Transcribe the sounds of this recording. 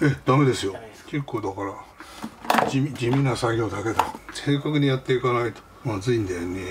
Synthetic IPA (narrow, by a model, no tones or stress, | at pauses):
e̞d̪̥ame̞d̪e̞sɨjo̞ke̞kːoːd̪akaɾa | id͡ʑimʲĩnːasaɡʲo̞ːd̪ake̞d̪ase̞ːkakɯ̟ɲ̟ijat̪ːe̞ikanait̪o̥ | mazɨĩnd̪ene